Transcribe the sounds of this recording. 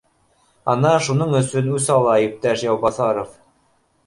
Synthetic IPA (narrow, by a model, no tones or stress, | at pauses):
ɑnɑʃunoɴɵ̆sɵnʉsɑlˠɑip̚t̪æʃjɑwbɑθɑɾof